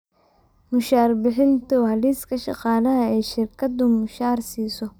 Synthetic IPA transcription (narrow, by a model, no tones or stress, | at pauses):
mʊʃaːrbɪħɪnt̪ʰʊhɐliːskʰɐʃɑ̰qɑːlɐɦɐɛjʃɪrkʰɐd̪ʊmʊʃaːrsiːsɔ